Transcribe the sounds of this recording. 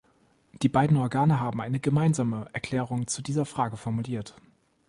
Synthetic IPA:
d̥iːbaɪdn̩ɔɐɡaːnəɦaːbm̩ʔaɪnəɡəmaɪnzaːməʔɛɐkl̥ɛːʁ̞ʊŋt͡sudiːzɐfʁ̥aːɡəfɔɐmuliːɐt

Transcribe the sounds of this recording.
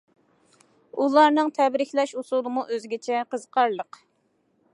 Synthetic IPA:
ulˠɑɾnɨŋt̪ʰɛbɾɪxʲlɛʃusulˠɨmuʔøzɡʲɪt͡ʃʰɛqəzqʰɑɾlˠəq

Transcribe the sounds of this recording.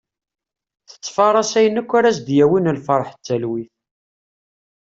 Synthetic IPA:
θə̥t͡sːfɑɾˤɑsæjənːəkʷːæɾæs̬d̪jæwinəlfɑɾˤħə̥t͡sːælwiθ

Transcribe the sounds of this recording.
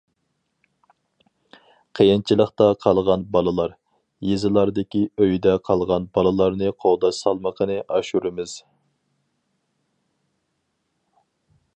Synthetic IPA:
qʰəjɪnt͡ʃʰilˠəχt̪ɑqʰɑlˠʁɑnbɑlˠɨlˠɑɾ | jezɨlˠɑɾd̪ɪkʲiøjd̪ɛqʰɑlˠʁɑnbɑlˠɨlˠɑɾnɨqʰowd̪ɑʃsɑlˠməqʰənɨʔɑʃuɾɪmɪz̥

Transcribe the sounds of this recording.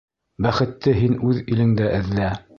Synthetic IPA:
bæχɘ̆t̪ːɘɦinʉðilɘ̆ŋd̪æʔɘ̆ðlæ

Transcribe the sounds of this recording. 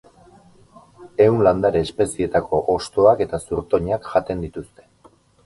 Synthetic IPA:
e̞wnland̪aɾe̞ːspe̞sie̞t̪akʰo̞ʔost̪o̞ake̞t̪asuɾt̪o̞ɲakʝat̪e̞nd̪it̪ust̪e̞̥

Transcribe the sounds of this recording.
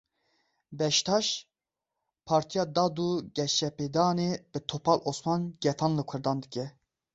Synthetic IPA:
bɛʃt̪ʰɑʃ | pʰɑːɾt̪ʰijɑːd̪ɑd̪uɡɛʃɛped̪ɑːnebɨt̪ʰopʰɑlʔosmɑnɡ̥ɛt̪ʰɑnlɨkʰɨɾd̪ɑnd̪ɨkʲɛ

